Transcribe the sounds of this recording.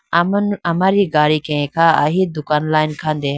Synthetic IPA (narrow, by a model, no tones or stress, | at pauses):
mnɐmaɾiɡaːɾikẽkʰaːɐ̰ɦid̪ʊkaːnlaːjinkʰãːnd̪eɦ